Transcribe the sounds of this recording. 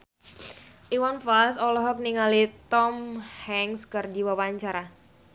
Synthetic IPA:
ʔiwanfasɔlɔɦɔk̚niŋalit̪ɔmhɛŋskɨrdiwawaɲt͡ʃaɾa

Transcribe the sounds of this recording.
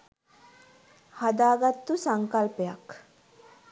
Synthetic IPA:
had̪aːɡat̪ːusaŋkɐlpejɐk

